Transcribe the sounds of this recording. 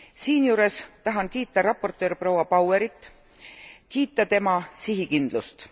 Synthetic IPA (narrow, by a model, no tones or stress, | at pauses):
siːnjuːɾe̞st̪ɑɦɑnkiːt̪ːˑɑɾɑpːˑo̞rt̪ːˑøːɾpro̞wɑpɑweɾit̪ːˑ | kiːt̪ːˑɑt̪e̞mɑsiɦikind̪̥lust̪